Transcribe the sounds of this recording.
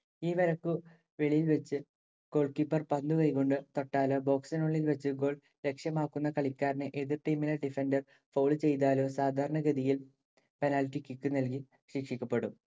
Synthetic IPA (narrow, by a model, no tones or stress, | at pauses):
iːʋɐɾɐkːu | ʋe̞ɭijilʋet͡ɕːɨ | ɡ̥o̞ːɭkipːɐrpɐnd̪ukɐjkoɳɖɨt̪o̞ʈːaːloːbo̞ːksɐnoːɭːilʋɐt͡ɕːɨɡo̞ːɭ | ɾe̞kʂjɐmaːkːunːɐkɐɭikʲːaːɾnɨʔeðirʈimːilɐɖifendɐr | foːɭɨt͡ɕe̞jt̪aːlo̞ːsaːd̪ʱaːɾɐɳɐɡɐðijil | penaːlʈːikʲːikːɨnɐlk̬i | ɕikʂikʲːɐpːe̞ɽum